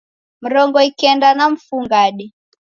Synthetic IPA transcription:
m̩ɾɔŋɡɔikɛndanam̩fuŋɡaɗi

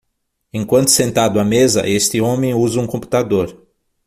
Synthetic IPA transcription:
ẽkwɐ̃nt̪ʊ̥sẽnt̪ad̪ʊamezɐ̰ʔest̪ɪõmẽj̃uzɐũkõmpu̥t̪ad̪oɾ

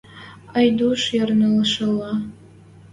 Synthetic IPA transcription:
ajduʂjarnɨlʂɐla

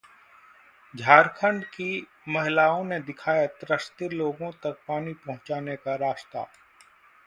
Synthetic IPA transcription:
d͡ʒʱaːɾkʰə̃ɳɖki | mɐɦɪlaːõned̪ɪkʰaːjat̪ɾəst̪iloːɡõt̪ɐk̚paːnipɐɦʊ̃t͡ʃaːnekaɾaːʃt̪a̰ː

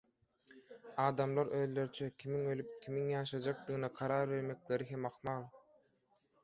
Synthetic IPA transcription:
ɑːd̪ɑmlˠɑɾøðlø̞ɾt͡ʃʰøkʲʰimiŋø̞lyp̚kʲʰimiŋjɑːʃɑd͡ʒɑq̚d̪ɯɣɯnɑqʰɑɾɑːɾβe̞ɾme̞kle̞ɾiɦe̞mɑxmɑlˠ

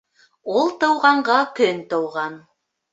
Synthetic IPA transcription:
ulˠt̪ɤ̆wʁɑɴɢɑkɵnt̪ɤ̆wʁɑn

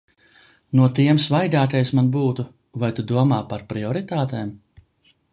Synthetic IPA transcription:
nuɔt̪iɛmsvajd̪aːk̪ɛjsmanbuːt̪u | vajt̪ud̪uɔmaːpaɾpɾiɔɾit̪aːt̪ɛːm

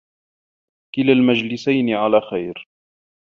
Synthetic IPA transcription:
kɪlalmad͡ʒlɪsajnɪʕalaːxajɾ

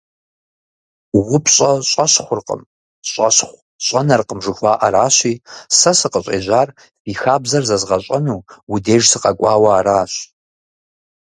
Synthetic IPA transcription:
wʊpʰɕʼɐɕʼɐɕχʷʊrqə̰m | ɕʼɐ̰ɕχʷ | ɕʼɐnɐrqəmʐɨxʷaːʔaɾaːɕiːsɐsɨqəɕʼḛːʑʷaːr | fiːxaːbzɐrzɐzʁɐɕʼɐnuːwʊdeːʒsɨqɐkʷʼɑːwɐaːɾaːɕ

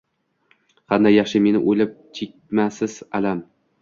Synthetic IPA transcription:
qʰɑnd̪ajːɑχʃɪme̞nɪʔolɪp̚t͡ʃʲʰek̚ʲmasɪz̥alam

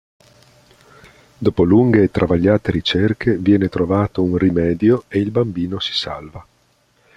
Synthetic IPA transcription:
d̪oːpoluŋɡeːt̪ːɾʔavaʎːaːt̪eɾit͡ʃerkʰevjɛːnet̪ɾovaːt̪ounrimɛːd̪joeilbambiːnosi̥sa̰lva

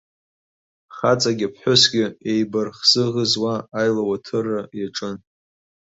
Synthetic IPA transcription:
χat͡sʼaɡʲapʰħʷʊsɡʲɪejbarχz̥ɨʁəzwaːjlawatʰɨrːajaʈ͡ʂʼɨn

